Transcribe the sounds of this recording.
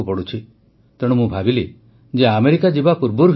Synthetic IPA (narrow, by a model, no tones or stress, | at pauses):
upɔɽut͡ʃʰi | t̪eɽ̃ũmũbʱabile | d͡ʒeameɾikad͡ʒibapuɾbuɾ